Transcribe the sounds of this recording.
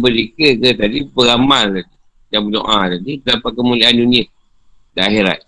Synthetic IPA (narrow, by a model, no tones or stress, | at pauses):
bəlikəkət̪adibəɣamal | dabədo̰ʔat̪aditədapat̪̚kəmuliaanduniə | dəaɦeɾa̰t̪̚